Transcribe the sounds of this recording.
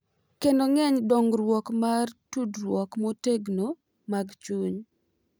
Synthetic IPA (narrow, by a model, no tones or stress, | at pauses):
kendoŋɛɲdɔŋɾwɔkmartudɾwɔkmɔteɡno | maɡt͡ʃuɲ